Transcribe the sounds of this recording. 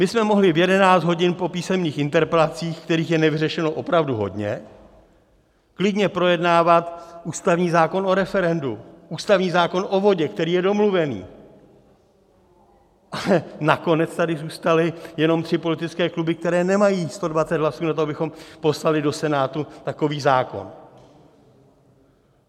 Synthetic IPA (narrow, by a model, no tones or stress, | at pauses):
mɪsmɛmo̞ɦlɪvjɛdɛnaːt͡sd̪ɦo̞ɟɪnpo̞piːsɛmɲiːxɪnt̪ɛɾpɛlat͡siːxkt̪ɛɾiːxjɛnɛvɪrɛʃɛno̞ʔo̞pɾavduɦo̞̰dɲɛ | klɪdɲɛpɾo̞jɛdnaːvat̪uːst̪avɲiːzaːko̞no̞ɾɛfɛɾɛnduʔuːst̪avɲiːzaːko̞nʔo̞vo̞ɟɛkt̪ɛɾiːjɛdo̞mluvɛnḭː | ʔalɛnako̞nɛt͡st̪adɪzuːst̪alɪjɛno̞mt̪r̝̥ɪpo̞lɪt̪ɪt͡skɛːklubɪkt̪ɛɾɛːnɛmajiːst̪o̞dvat͡sɛt̪ɦlasuːnat̪̬oabɪxo̞mpo̞slalɪdo̞sɛnaːt̪ut̪ako̞viːzaːko̞̰n